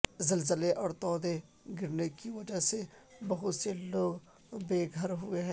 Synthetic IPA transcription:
zɐlzəleʔɔːɾt̪ɔːd̪e | ɡɪɾnekiʋɐd͡ʒəsebɐɦʊt̪seloːɡ | beːɡʱəɾɦʊeɦɛ̃ː

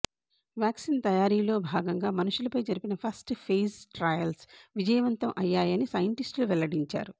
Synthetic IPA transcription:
ʋjaːksiːnt̪ɐjaːɾiːlo̞ːbʱaːɡɐŋɡaːmɐnuʂulɐpɐjd͡ʒɐɾipinɐpʰɐsʈpʰeːsʈɾɐjɐlsʋid͡ʒɐjɐʋɐnt̪ɐmʔɐjːaːjɐnisɐjɐɳʈisʈluʋɛlɐɽiɲt͡ʃa̰ːɾu

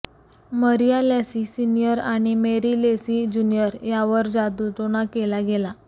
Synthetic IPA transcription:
məɾijalasisinijəɾaɽ̃imeɾilesid͡ʑunijəɾjaʋəɾd͡zad̪ut̪oɽ̃akelaɡela

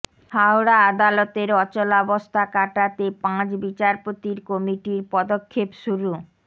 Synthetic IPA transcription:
hawɾaad̪alɔt̪eɾɔt͡ɕolaɔbost̪ʰakaʈat̪epãt͡ɕbit͡ɕaɾpot̪iɾkɔmiʈiɾpɔd̪okʰːepʃuɾu

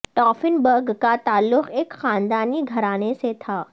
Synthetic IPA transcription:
ʈɔːfɪnbɐɾɡkat̪aːlːʊxeːkxaːnd̪aːniɡʱɐɾaːneset̪ʰaː

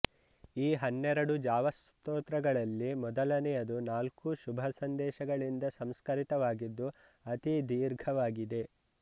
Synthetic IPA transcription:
iːɦɐnːɛɾɐɽud͡ʒaːʋɐs | t̪oːt̪ɾɐɡɐɭɐlːimɔd̪ɐlɐnɛjɐd̪unaːlkuʃubʱɐsɐnd̪ɛːʃɐɡɐɭind̪ɐsɐmskɐɾit̪ɐʋaːɡid̪ːu | ɐt̪id̪iːɾɡʱɐʋaːɡid̪e̞

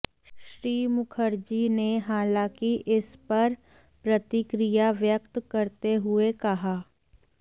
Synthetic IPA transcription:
ʃʃɾiːmʊkʰəɾd͡ʒineɦaːlãːkiʔɪspɐɾ | pɾɐt̪ɪkɾijaʋjəkt̪kɐɾt̪eɦʊekɐɦaː

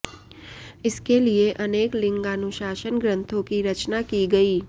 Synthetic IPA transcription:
ɪskelieʔɐneːklɪ̃ŋɡanʊʃaːʃənɡɾə̃nt̪ʰõkiɾɐt͡ʃnakiɡɐiː

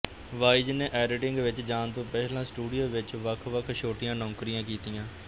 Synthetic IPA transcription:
ʋaːid͡ʒneːʔɛːɾɪʈɪŋɡʋɪt͡ʃd͡ʒaːnt̪õːpɛːlãːsʈuːɖijoːʋɪt͡ʃʋəkʰʋəkʰʃoːʈɪjãːnɔ̃ːkɾijãːkiːt̪ijãː

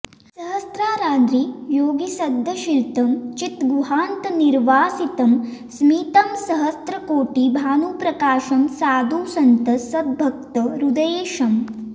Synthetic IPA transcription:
sɐɦɐst̪ɾaːɾaːd̪ɾijoːɡisɐd̪ʱːɐʃilt̪ɐmt͡ʃit̪ɡuɦaːnt̪ɐniɾʋaːsit̪ɐmsmiːt̪ɐmsɐɦɐst̪ɾɐkoːʈibʱaːnuːpɾɐkaːʃɐmsaːd̪uːsɐnt̪ɐsɐd̪̚bʱɐk̚t̪ɐɾud̪ɐjeːʃɐm

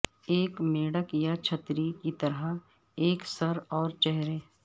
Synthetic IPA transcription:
eːkmeːɽəkjat͡ʃʰət̪ɾikit̪ɐɾə | eːksɐɾɔːɾt͡ʃɛɦɾeː

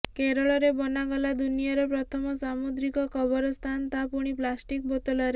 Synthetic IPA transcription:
keɾɔɭɔɾebɔnaɡɔlad̪unijaɾepɾɔt̪ʰɔmɔsamud̪ɾikɔkɔbɔɾɔst̪ʰant̪apuɽ̃iplasʈik̚bot̪ɔlɔɾe

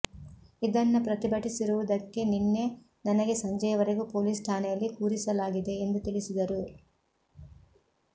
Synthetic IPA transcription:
id̪ɐnːɐpɾɐt̪ibɐʈisiɾuʋud̪ɐkːe̞ninːe̞ | nɐnɐɡe̞sɐɲd͡ʒɐjɐʋɐɾeɡupo̞ːliːsʈ̪ʰaːnɛjɐlːikuːɾisɐlaːɡid̪e̞ːnd̪ut̪iɭisid̪ɐɾu

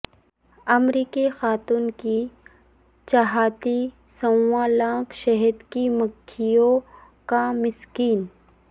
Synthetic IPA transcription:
ɐmɾiːkixaːt̪uːnki | t͡ʃaɦaːt̪i | sɐ̃wãlãːkʃɐɦəd̪kiməkʰːijõ | kamɪskiːn

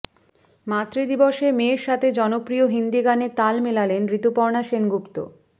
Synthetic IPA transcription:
mat̪ːɾid̪iboʃemeːɾʃat̪ʰed͡ʑɔnopɾioɦind̪iɡanet̪almelalenɾit̪opɔɾnaʃenɡupt̪o̰

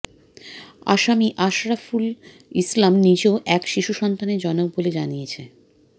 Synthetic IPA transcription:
a̰ʃamiʔaʃɾaful | islamnid͡ʑeoʔɛkʃiʃuʃɔnt̪aned͡ʑɔnob̚boled͡ʑanijet͡ɕʰe

